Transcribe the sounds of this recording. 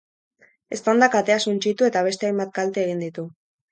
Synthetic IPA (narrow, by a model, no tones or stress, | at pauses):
e̞st̪and̪akat̪e̞asunt͡ʃit̪ue̞t̪aβ̞e̞st̪eajmbat̪̚kalt̪eːɣ̞ind̪it̪u